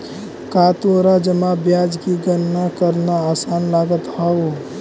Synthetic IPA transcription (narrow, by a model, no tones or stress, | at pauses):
kaːt̪oɾad͡ʒəmabjaːd͡ʒkiɡənnakəɾnaaːsaːnlaːɡət̪ɦao